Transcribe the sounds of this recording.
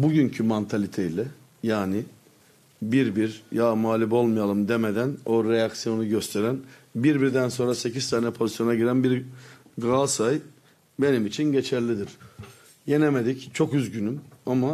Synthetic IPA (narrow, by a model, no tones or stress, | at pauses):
buɟyncʰymant̪ʰalʲit̪ʰejilʲɛ | jaːnɪ | biɾbiɾjaːmaːlʲibo̞lˠmijalˠɯmd̪e̞med̪æno̞ɾejaksijo̞nuɟøst̪ʰe̞ɾænbiɾbiɾd̪ænso̞nɾase̞cizt̪ʰaːnɛpʰo̞zisjo̞naɟiɾænbiɾɡasaj | be̞nimit͡ʃʰinɟe̞t͡ʃʰæɾlʲid̪iɾ̥ | je̞neme̞d̪ict͡ʃʰo̞kyzɟynymama